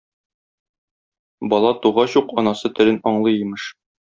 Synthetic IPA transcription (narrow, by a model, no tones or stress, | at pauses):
bɒlˠɑt̪uʁɑɕuqɒnɑsɤt̪ɘ̆ɾɘnɒɴlˠɤjɘ̆mɤʃ